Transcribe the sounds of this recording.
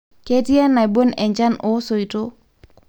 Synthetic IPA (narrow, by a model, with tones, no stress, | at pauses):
ke˦ti˦ɛ˦na˨i˨bo˦nɛ˨ɲd͡ʒa˦no˦so˨i˨to˦